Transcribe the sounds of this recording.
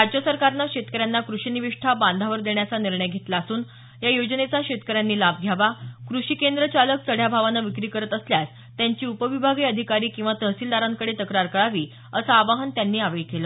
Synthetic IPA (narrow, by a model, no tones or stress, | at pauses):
ɾad͡ʑjəsəɾkaɾnaɕet̪kəɾjanːakɾuʂiniʋiʂʈʰabãnd̪ʱaʋəɾd̪eɳjat͡saniɾɳəjɡʱet̪laːsuːn | jajod͡ʑənet͡saɕet̪kəɾjanːiːlab̚ʱɡʱjaʋakɾuʂiːkend̪ɾət͡ɕalək̚t͡səɽ̤jabʱaʋanaʋikɾiːkəɾət̪əsljas | t̪jaɲt͡ɕiːupəʋibʱaɡiːəd̪ʱikaɾiːkĩw̃ʋat̪əɦsiːld̪aɾaŋkəɽet̪əkɾaɾkəɭaʋiː | əsaːʋaɦənt̪janːiːaʋeɭkelə